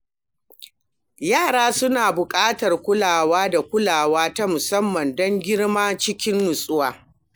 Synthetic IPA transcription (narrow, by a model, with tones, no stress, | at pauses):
jaː˦˨ɽaː˦sʊ˦naː˨bʊ˨kʼaː˦tɐ˨rkʷʊ˦laː˨waː˦da˨kʷʊ˦laː˨waː˦ta˦mʊ˨sɐ˦mːɐ˨ndɔ˦ŋɡʲɪ˦ɽmaː˦t͡ʃɪ˦kʲɪ˦nːʊ˨sʼʊ˦waː˨